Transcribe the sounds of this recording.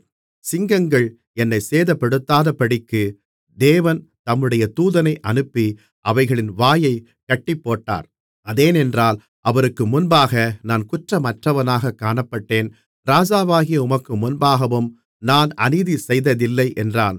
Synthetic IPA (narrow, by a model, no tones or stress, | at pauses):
sɪŋɡɐŋɡɐɭ | ɛnːɐɪseːðɐpːɐɽɯt̪ːaːðɐpɐɽɪkːɯ | d̪eːʋɐnt̪ɐmːɯɽɐjɐt̪uːðɐnɐɪʔɐnɯpːi | ʔɐʋɐɪɣɐɭɪnʋaːjɐɪ | kɐʈːɪpːoːʈːa̰ːɾ | ɐðeːnɛndraːl | ʔɐʋɐɾɯkːɯmʊnbaːɣɐnaːnkʊʈrɐmɐʈrɐʋɐnaːɣɐkːaːnɐpːɐʈːeːn | ɾaːd͡ʒaːʋaːɣɪjɐʊmɐkːɯmʊnbaːɣɐʋɯm | naːnɐniðisɛjðɐðɪlːɐɪʔɛndraːn